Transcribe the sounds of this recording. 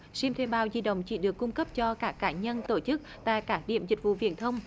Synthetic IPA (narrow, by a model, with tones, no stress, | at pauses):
si˧mt̪ʰe˧ɓaː˧˩wzi˧ɗə̰˧˨wŋ͡mt͡ɕi˧˩˦ɗɨ˨˩əkːʊ˧ŋ͡mkə˦˥p̚t͡ɕɔ˧kaː˦˥kːaː˧˩ɲə˧nt̪o˧˩t͡ɕɨ˦˥k̚t̪a̰ː˧˨jkaː˦˥k̚ɗḭ˧˨əmzï˨˩k̟̚vṵ˧˨vḭ˧˨ənt̪ʰə˧wŋ͡m